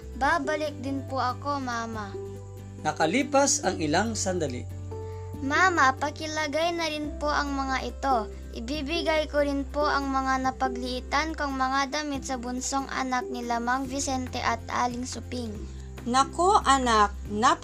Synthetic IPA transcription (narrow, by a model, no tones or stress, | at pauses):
baːbɐlɪk̚d̪ɪnpʊɐkomama | nɐkɐliːpasɐŋɪlaŋsand̪alḭ | maːmapɐkɪlɐɡajnɐɾɪnpoʔɐŋmɐŋaʔɪt̪o | ʔɪbibɪɡajkoɾɪnpoʔɐŋmɐŋanɐpɐɡlɪʔɪt̪ankoŋmɐŋad̪ɐmɪt̪̚sɐbʊnsoŋʔa̰nak̚nilamaŋvisɛnt̪ɛʔɐt̪̚ʔa̰ːlɪŋsʊpɪŋ | nakoʔɐnak̚na